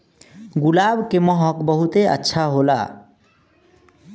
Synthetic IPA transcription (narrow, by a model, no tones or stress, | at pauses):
ɡulabkemɔɦɔkbɔɦut̪eə̰tːʃʰaɦola̰